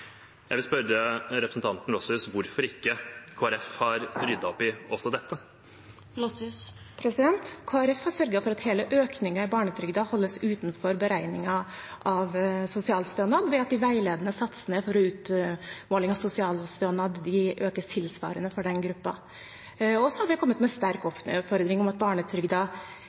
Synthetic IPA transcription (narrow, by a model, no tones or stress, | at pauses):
jæɪʋɪlspœɾəɾɛpɾsn̩t̪ʰɑnt̪n̩lɔsʉsʋʊɾfɔɾɪkːəkʰoːæɾɛfhɑɾbɾʏd̪ɑɔpɪɔsɔd̪ɛt̪ːə | pʰɾɛsɪd̪ɛnt̪kʰoːæɾɛfhɑɾʂœɾɡəfɔɾɑt̪heːləʔøːknɪŋɑɪbɑːɳət̪ʰɾʏɡd̪ɑhɔlːəsʉːt̪nfɔɾbəɾæɪnɪŋɑʔɑʋsʊsɪɑːlst̪ønɑd̪ʋɛɑt̪̚d̪ɪʋæɪleːd̪ənəsɑt̪sənefɔɾɔʉːt̪moːlɪŋɑʋsʊsɪɑːlst̪œːnɑd̪d̪ɪʔøːkəstʰɪlsʋɑ̰ːɾənəfɔɖɛnɡɾʉpːɑ̰ | ɔsɔhɑɾʋɪkʰɔmːət̪mɛst̪æɾkɔfɔɾd̪ɾɪŋɔmɑt̪̚bɑːɳət̪ʰɾʏɡd̪ɑ